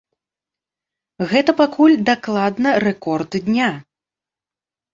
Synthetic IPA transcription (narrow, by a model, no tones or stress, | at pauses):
ɣɛt̪ɐpakʰulʲd̪aklˠad̪nɐrɛkɔrt̪d̪ʲnʲa